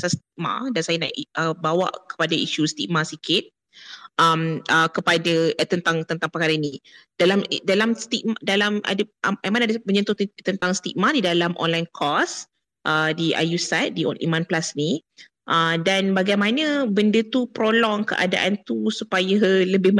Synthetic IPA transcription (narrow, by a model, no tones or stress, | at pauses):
sast̪ik̚ma̰dansajana̰ʔʔəbawa̰ʔkə̥padaiʃust̪ik̚masikɪt̪̚ | ʔaməkəpadat̪ənt̪aŋt̪ənt̪aŋpəkaɾanid̥alamdalamst̪ik̚madalamʔa̰dəamanadaməɲə̃nt̪ut̪t̪ənt̪aŋst̪ik̚madidalamʔɔ̰nlajnkʰɔs | ʔədiʔa̰jusat̪̚diʔɔ̰nʔḭmãnplasni | ʔədanbaɡajmãnə̃bəndət̪upɾolɔŋkə̰ʔa̰da̰ʔant̪usupajaləbɪh